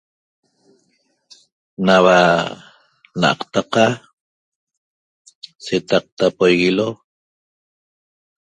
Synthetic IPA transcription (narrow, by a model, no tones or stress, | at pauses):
nawa | na̰ʔɑ̰qt̪aqa | set̪ɑq̚t̪apojɣilo